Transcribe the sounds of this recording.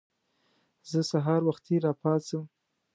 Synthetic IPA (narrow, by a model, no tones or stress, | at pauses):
zəsaɦɑɾwaxt̪ʰeɾɑpɑt͡səm